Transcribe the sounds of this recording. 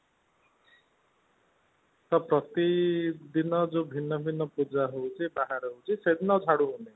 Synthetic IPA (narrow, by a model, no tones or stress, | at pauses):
t̪ɔpɾɔt̪id̪inɔd͡ʒobʱinːɔbʱinːɔpud͡ʒaɦowt͡ʃʰibaɦaɾɦowt͡ʃʰised̪inɔd͡ʒʰʱaɽuɦune